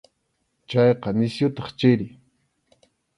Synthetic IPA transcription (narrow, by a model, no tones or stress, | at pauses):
t͡ʃɑjqɑnɪsjʊt̪ɑ̥χt͡ʃɪɾɪ